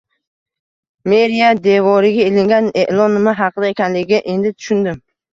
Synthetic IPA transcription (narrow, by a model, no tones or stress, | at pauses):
me̞ɾijad̪e̞vɒɾɪɡʲaelɪŋɡʲaneʔlˠɒnɪmɪɦɑqʰɨd̪ae̞kʲanlɪɡʲɡʲaʔe̞nd̪ɪt̪ʰʊ̥ʃʊnd̪ɪm